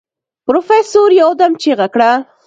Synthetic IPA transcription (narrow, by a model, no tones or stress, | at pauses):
pɾofesoɾjawd̪amt͡ʃeɣakɽa